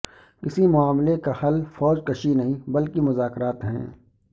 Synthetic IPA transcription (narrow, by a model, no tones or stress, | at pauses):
kɪsimʊaːmlekahɐlfɔːd͡ʒkɐʃinɐɦĩbɐlkimʊzaːkɾaːt̪ɦɛ̰̃ː